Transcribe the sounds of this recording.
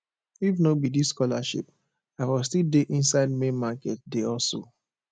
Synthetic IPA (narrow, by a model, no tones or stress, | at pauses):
ifnobidiskɔla̰ʃḭp | aɪwɔstildeʔĩnsaɪd̚mẽnmakɛt̚deɔso̰